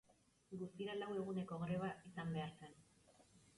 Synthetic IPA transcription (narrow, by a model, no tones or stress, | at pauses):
ɡust̪iɾalawe̞ɣ̞une̞ko̞ɣɾe̞βaʔisambe̞aɾt͡sen